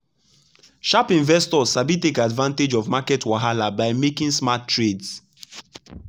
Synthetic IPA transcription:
ʃapĩɱvɛstɔsabitekadvãnted͡ʒɔvmakɛtʰwaɦalabaɪmekĩŋsmatʰːɹeds

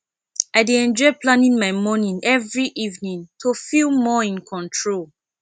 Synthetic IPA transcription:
aɪdeɛ̃nd͡ʒɔɪplãnĩŋmaɪmɔnĩnɛvɹiʔivnĩntʰofilmɔĩnkʰɔ̃ntʰɹol

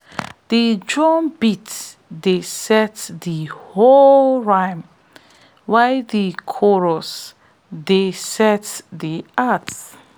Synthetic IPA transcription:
did͡ʒɹɔ̃nbit | desɛtdiholɹãj̃m | wajdikʰɔɹɔs | desɛtdiat

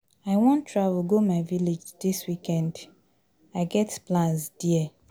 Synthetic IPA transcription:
aɪwɔ̃ntʰːɹav̩ɡomaɪviled͡ʒdiswikɛ̃nd | aɪɡɛtplãnsd̥iɛ

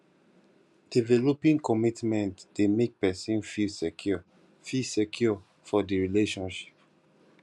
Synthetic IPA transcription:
d̥ivɛlopĩŋkɔmitmɛ̃ntd̥emek̚pɛsĩnfilsekʰjɔ | fisekʰjɔ | fɔdiɹileʃɔ̃nʃi̥p̚

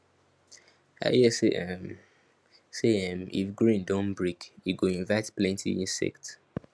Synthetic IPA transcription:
a̰ɛsɛm | seɛ̃mḭfɡɹĩndõnbɹikuɡoĩnvaɪtplɛ̃ntʰḭĩnsɛ̰kt

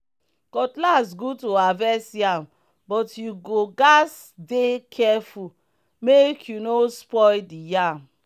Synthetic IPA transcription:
kɔtlasɡutoavɛsjam | bɔtjuɡoɡas | dekʰɛfu | mekʰjunospɔɪdija

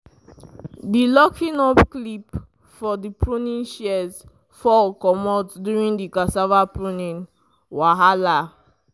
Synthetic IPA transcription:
dilɔkʰĩnɔpklip | fɔdipʰɹunĩnʃɛz | fɔlkɔmɔtduɹĩndikasavapɹunĩn | waɦala

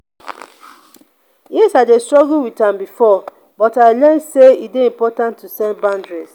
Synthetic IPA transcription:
jisadestɹɔɡuwitãmbifɔ | bɔtaɪlɛnseitdeĩmpɔtãntʰːusɛ̃nbãndɹis

